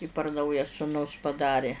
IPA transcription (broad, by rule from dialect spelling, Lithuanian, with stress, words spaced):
ɪ pɐr ˈnɐʊjɛ sʊˈnʊs pɐˈdɑːrʲeː